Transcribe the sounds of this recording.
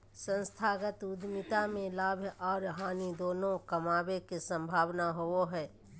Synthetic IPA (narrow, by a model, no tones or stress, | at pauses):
sə̃nst̪ʰaːɡət̪ʊd̪ʱmɪt̪amẽlaːbʱjɔːɾɦaːnid̪oːnõkəmaːbekesə̃mbʱaːʋnaɦooɦɛː